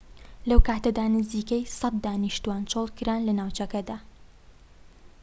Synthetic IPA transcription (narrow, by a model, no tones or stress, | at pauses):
lɐwkʰaːt̪ɐd̪aːnɨziːkɐjsɐt̪̚d̪aːniʃt̪uwaːnt͡ʃoːlˠkɨɾaːnlɐnaːwt͡ʃɐkɐd̪aː